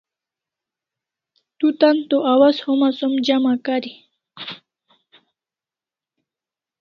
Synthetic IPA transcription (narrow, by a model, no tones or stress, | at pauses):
t̪ut̪ant̪oʔawazhomasomd͡ʑamakaɾi